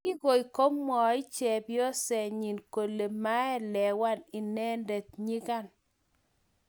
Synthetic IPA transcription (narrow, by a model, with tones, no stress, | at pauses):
ɪ˦ɣo˨i˨ko˦mmɔ˨ɪ˦t͡ʃɛ˨bjo˦sɛ˨ɲi˨nko˨le˨ma˦ɛ˦lɛ˨wa˦nɪ˨nɛ˦ndɛ˨t̪̚ɲi˦ka˦˨n